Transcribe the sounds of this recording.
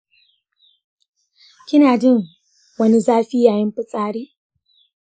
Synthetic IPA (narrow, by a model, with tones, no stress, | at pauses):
kʲɪ˦naː˨d͡ʒɪ˦˨ŋ | wɐ˦ni˦zaː˦ɸi˦jaː˨jɪ˦mɸɪ˦sʼaː˦ɽiː˦